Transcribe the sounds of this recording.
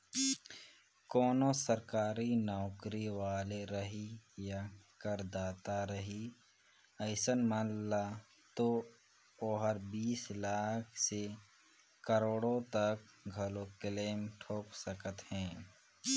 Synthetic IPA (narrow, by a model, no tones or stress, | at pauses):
kɔːnosəɾkaːɾinɔːkɾiʋaːleɾəɦijakəɾd̪aːt̪aɾəɦi | əɪsənməla | t̪o | oːɦəɾbiːslaːkʰse | kəɾoːɽõt̪ək̚ɡʱəlokɪleːmʈʰoːksəkət̪hɛ̃ː